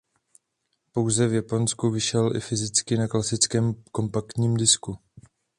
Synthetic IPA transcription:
po̞wzɛvjapo̞nskuvɪʃɛlʔɪ̰fɪzɪt͡skɪnaklasɪt͡skɛːmko̞mpakt̪ɲiːmdɪsku

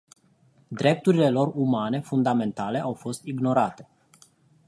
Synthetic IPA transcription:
d̪ɾe̞p̚t̪uɾile̞lo̞rumane̞fund̪ame̞nt̪ale̞ʔawfo̞st̪iɡno̞ɾat̪e̞̥

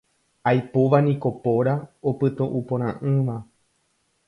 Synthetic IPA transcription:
ajpo̞ʋanĩko̞po̞ɾaopɨt̪ũʔupõɾ̃ãʔɨ̃ʋa

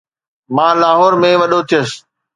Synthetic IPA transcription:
mãːlaːɦɔːɾmẽʋɐɗot̪ʰijəs

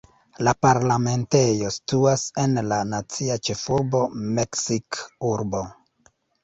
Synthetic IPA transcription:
lapaɾlame̞nte̞jo̞si̥tuase̞nlanat͡siat͡ʃe̞fuɾbo̞me̞ksikuɾbo̞

